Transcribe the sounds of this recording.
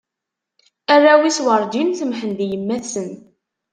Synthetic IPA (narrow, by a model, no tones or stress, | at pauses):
ærːawiswəɾˤd͡ʒinθəmħənd̪jəmːæθsən